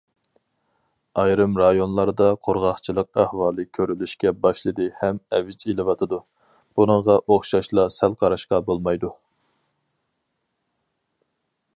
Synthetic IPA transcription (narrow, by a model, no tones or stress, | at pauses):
ɑjɾɨmɾɑjonlˠɑɾd̪ɑqʰoɾʁɑχt͡ʃʰilˠəq̚æhwɑːlˠɨkʲʰøɾylyʃkʲɛbɑʃlˠɨd̪ɨhɛmɛvɪt͡ʃelˠɨwɑt̪ʰɨd̪u | b̥unɨŋʁɑʔoχʃɑʃlˠɑsælqʰɑɾɑʃqɑbolˠmɑjd̪u